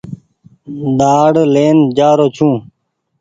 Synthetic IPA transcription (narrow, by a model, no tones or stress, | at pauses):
d̪aːɽleːnd͡ʑaːɾoːt͡ɕʰũː